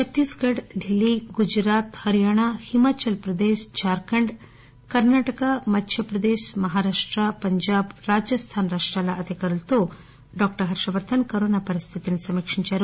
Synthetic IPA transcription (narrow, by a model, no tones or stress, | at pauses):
t͡ʃɐt̪ːiːsɡɐɽɖilːiɡud͡ʒɾaːt̪hɐɾijaːɳ̃ahimaːt͡ʃɐlpɾɐd̪eːʃt͡ʃaːɾkɐɳɖ | kɐɾnaːʈɐkamɐt̪ʰjɐpɾɐd̪eːʃmɐɦaːɾaːʂʈɾɐpɐɲd͡ʒaːbɾaːd͡ʒjɐst̪ʰaːnɾaːʂʈɾaːlɐʔɐd̪ʱikɐɾult̪u | ɖɔːk̚ʈɐɾɦɐɾʂɐʋɐɾt̪ʰɐnkɐɾoːnaːpɐɾist̪ʰit̪inɐsɐmikʂiɲt͡ʃɐɾu